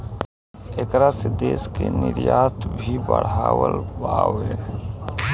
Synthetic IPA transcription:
ekɾased̪eːskenɪɾjaːt̪ʰbʱibəɽ̤aːwəlbaːwɦɛː

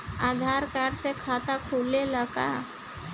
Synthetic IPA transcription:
aːd̪ʱaːɾkaɾsekʰaːt̪akʰuːleləka

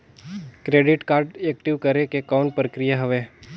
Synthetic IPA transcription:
kɾeːɖɪʈkaːɾɖek̚ʈɪʋkəɾekekaʊ̃ɳʈ̚pɾəkɾijaɦəʋeː

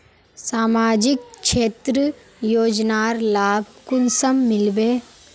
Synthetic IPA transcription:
saːmaːd͡ʒɪkʃeːt̪ɾə | joːd͡ʒnaːɾlaːb̚kʊnsəmːɪlbeː

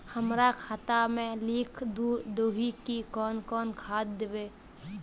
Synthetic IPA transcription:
həmɾakʰaːt̪amẽliːkʰd̪ud̪oːɦikikɔːnkɔːnkʰaːd̪̚ːeʋeː

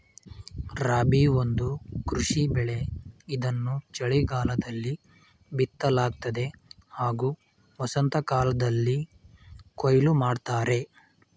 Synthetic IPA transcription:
ɾaːbiond̪ukɾuʂibɛɭe̞id̪ɐnːut͡ʃɐɭiɡaːlɐd̪ɐlːi | bit̪ːɐlaːɡ̚t̪ɐd̪e̞haːɡuː | ʋɐsɐnt̪ɐkaːlɐd̪ɐlːi | kojlumaːɖt̪aːɾe̞

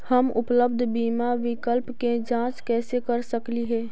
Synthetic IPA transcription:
həmʊ̰pləbd̪ʱbiːmaʋɪkəlpked͡ʒãːt͡ʃkɛːsekɐɾsəkliɦɛː

